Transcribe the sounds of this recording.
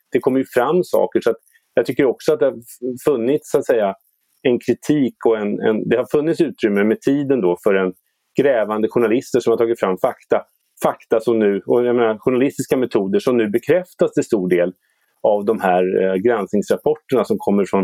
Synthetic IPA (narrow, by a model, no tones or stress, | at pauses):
d̪̥ɛkʰɔmːəɾjɵfɾamːsɑ̰ːkəʂɔat̪ | jɑɡt̪ʰʏkːəɾɔksɔat̪d̪ɛhaɾ | fɵnːɪt̪ssʊat̪sɛjːa | ɛnkʰɾɪt̪ʰiːkɔɛnɛ̰nd̪ɛhaɾfɵnːɪt̪sʉ̟ːt̪ɾʏmːəmɛt̪ʰiːd̪ənd̪ɔfœɾɛn | ɡ̥ɾɛːvand̪əɧʊɳalɪst̪əʂɔmhaɾtʰɑːɡɪt̪fɾamːfakt̪a | fakt̪asɔmnʉ̟ːɔjameːnaɾɧʊɳalɪst̪ɪskamɛt̪ʰuːd̪əʂɔmnʉ̟ːbɛkʰɾɛft̪ast̪ʰɪlst̪uːɖeːl | avd̪ɔmhæːɾɡɾansnɪŋsɾapʰɔʈːəɳasɔmkʰɔmːəɾfɾɔn